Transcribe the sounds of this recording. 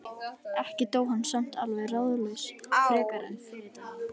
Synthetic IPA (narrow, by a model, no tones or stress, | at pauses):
ɛhcɪt̪oːwhanːsœn̥t̪alvɛɣrawðʏlejsʰɛːkaɾa̰n